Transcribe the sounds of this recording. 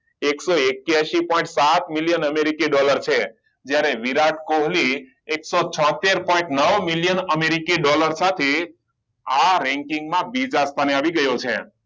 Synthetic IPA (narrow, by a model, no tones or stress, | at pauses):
eksoekjaʃipɔĩɳʈsat̪miljənəmeɾikiɖɔləɾt͡ʃʰe | d͡ʒjaɾeʋiɾaʈkoɦli | eksot͡ʃʰɔ̃t̪eɾpɔ̃ĩɳʈnəʋmiljənəmeɾikiɖɔləɾsat̪ʰe | aɾɛ̃ŋkiŋɡmãbid͡ʒast̪ʰaneaʋiɡəjot͡ʃʰḛ